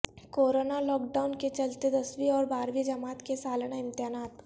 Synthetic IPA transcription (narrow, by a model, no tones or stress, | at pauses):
koːɾoːnalɔːk̚ɖaːʊnket͡ʃɐlt̪ed̪ɐsʋiɔːɾbaːɾʋid͡ʒɐmaːt̪kesaːlñaɪ̃mt̪ɪjaːnaːt̪